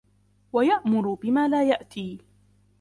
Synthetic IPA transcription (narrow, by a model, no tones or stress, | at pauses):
wajaʔmʊɾʊbɪmaːlaːjaʔt̪ʰiː